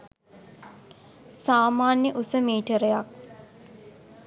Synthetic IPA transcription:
saːmaːnjəʔusəmiːʈəɾəjak̚

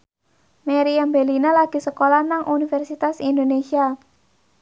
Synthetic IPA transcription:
meɾiambelinalaɡ̥i̤səkolanaŋʔunifɛrsit̪asind̪onesia

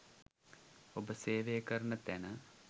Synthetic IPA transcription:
obəseːʋejəkəɾəɳət̪ænə

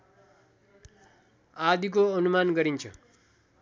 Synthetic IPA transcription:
ad̪ikoʌnumanɡʌɾint͡ʃʰʌ

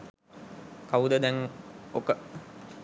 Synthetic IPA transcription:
kaud̪əd̪ɛŋokə

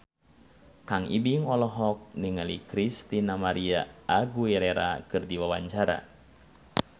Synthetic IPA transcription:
kaŋḭbiŋɔlɔɦɔk̚niŋalikɾist̪inamaɾia̰aɡuɛɾɛɾa̰kɨrdiwawaɲt͡ʃaɾa̰

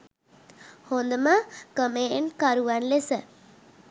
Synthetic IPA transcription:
hond̪əməkəmeːɳkaɾuʋanlesə

